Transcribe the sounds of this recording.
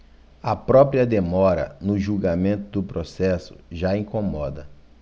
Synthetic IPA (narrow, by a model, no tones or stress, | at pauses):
ɐpɾɔpɾiɐd̪emɔɾɐ̰nʊʒuɡamẽnt̪ʊd̪ʊpɾosɛsʊ̥̰ʒaĩkomɔd̪ɐ